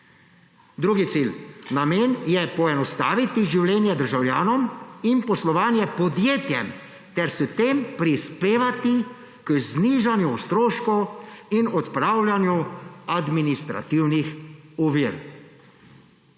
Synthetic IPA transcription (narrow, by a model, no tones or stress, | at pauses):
d̪ɾuɡit̪silnameːnjɛpɔɛnɔst̪a̰ːʋit̪iʒiwlɛːnjɛd̪əɾʒawljaːnɔminpɔslɔʋaːnjɛpɔd̪jeːt̪jɛm | t̪ɛɾsət̪eːmpɾispeːʋat̪i | kzniːʒanjust̪ɾoːʃkɔwinɔt̪pɾaːwlʲjanjuad̪minist̪ɾa̰t̪iwnixɔʋiɾ